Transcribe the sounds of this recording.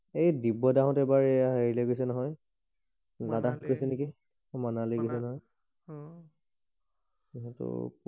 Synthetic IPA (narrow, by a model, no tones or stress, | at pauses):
ejdibɔdaɦɔ̃tɛbaɹɛaɦeɹileɡojsɛnɔɦɔj | nadatkɔjsɛneki | manaleɡɔs̬ɛnɔɦɔj | iɦɛtʊ̰